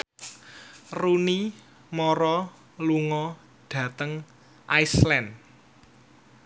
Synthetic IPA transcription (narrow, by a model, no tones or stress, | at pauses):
runi | mɔɾɔ | luŋɔ | ɖ̥ä̤t̪əŋ | ʔajslɛn